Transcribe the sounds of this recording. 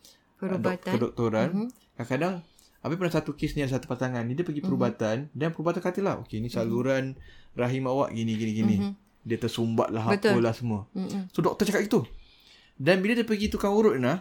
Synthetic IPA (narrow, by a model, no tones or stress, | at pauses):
dkədɔk̚t̪oɾan | kakadaŋ | apapənasat̪ukɪsniadasat̪u̥pat̪aŋanːidiəpəɡipəɾubat̪andanpəɾubat̪ankat̪ilaho̰kenisaluɾanraɦimawa̰ʔɡiniɡinĩɡini | diət̪ərsumba̰ʔ̪̚laɦaət̪ulahsəmuəsodɔk̚t̪ɔt͡ʃakat̪ɡit̪u | danbiladiapəɡit̪ukaŋuɾʊt̪̚nah